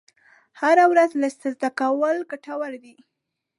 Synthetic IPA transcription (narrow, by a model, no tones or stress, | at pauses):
haɾawɾazlast̪azd̪akawəlɡaʈawaɾd̪i